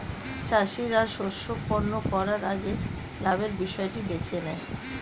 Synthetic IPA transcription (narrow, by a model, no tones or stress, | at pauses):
t͡ɕaʃiɾaɾʃoʃokpoɾnokɔɾaɾaɡe | labeɾbiʃɔeʈibet͡ɕʰenɛ